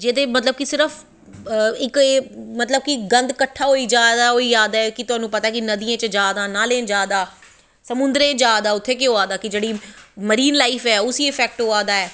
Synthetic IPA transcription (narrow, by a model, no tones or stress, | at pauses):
d͡ʒeːd̪eːmət̪ləb̚kisɪɾəfʰ | ɪkːmət̪ləb̚kiɡə̃nd̪kəʈʰːaːɦoːiːd͡ʒaːd̪aːɦoːiːaːd̪aːɛːkɪt̪ʊɦaːnũːpət̪aːɛːkɪnəd̪iãːt͡ʃəd͡ʒjaːd̪ãːnaːleːd͡ʒjaːd̪aː | səmʊ̃nd̪ɾẽːd͡ʒaːd̪aːʊt̪ʰːeːkɪɦoːaːd̪aːkɪd͡ʒeːɽiːməɾiːnlaːifɛːʊsiːɪpʰɛːk̚ʈɦoːaːd̪aːɛː